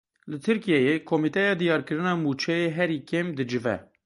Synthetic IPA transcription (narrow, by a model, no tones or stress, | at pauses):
lɨt̪ʰɨɾkijɛjekʰomit̪ɛjɑːd̪ijɑːɾkɨɾɨnɑːmuːt͡ʃʰɛjeːɦɛɾiːkeːmd̪ɨd͡ʒɨvɛ̰